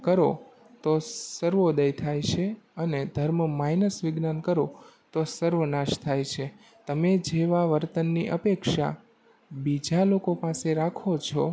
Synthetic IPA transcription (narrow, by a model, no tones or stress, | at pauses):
kəɾo | t̪osəɾʋod̪əjt̪ʰajt͡ʃʰeəned̪ʱəɾməmajnəsʋɪɡnankəɾot̪osəɾʋənaʃt̪ʰajt͡ʃʰe | t̪əmed͡ʒeʋaʋəɾt̪ənːiʔəpekʃa̰ | bid͡ʒalokopaseɾakʰot͡ʃʰɔ